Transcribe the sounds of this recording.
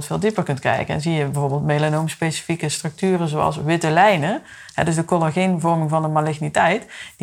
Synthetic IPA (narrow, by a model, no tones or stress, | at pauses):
lˠtfɪːlˠdipərkɵntkrɛ̰jkənɛ̰nzijəbəvoːɹbɪːlˠtmelanowmspesi̥fikəstrɵk̚tyːrəzowɑ̰lˠsʋɪtəlɛjnə | ɦɛ̰dɵz̬dəkolaɣinvɔɹmɪŋvɑndəmalɪxnitɛjtd